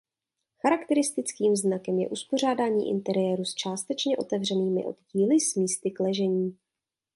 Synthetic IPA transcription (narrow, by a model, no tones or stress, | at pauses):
xaɾakt̪ɛɾɪst̪ɪt͡skiːmznakɛmjɛ̰ʔuspo̞r̝aːdaːɲḭːʔɪ̰nt̪ɛɾɪjɛːɾust͡ʃaːst̪ɛt͡ʃɲɛʔo̞t̪ɛvr̝ɛniːmɪ̰ʔo̞̰d̪ɟiːlɪsmiːst̪ɪklɛʒɛɲiː